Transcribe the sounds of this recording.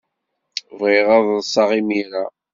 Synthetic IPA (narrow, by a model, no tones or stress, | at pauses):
vʁiʁɑðˤðsˤːɑʁimiɾa